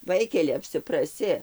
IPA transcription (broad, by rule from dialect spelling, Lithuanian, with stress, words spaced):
ˈʋɐɪkʲɛlʲɪ ɐpʲsʲɪprɐˈsʲɪ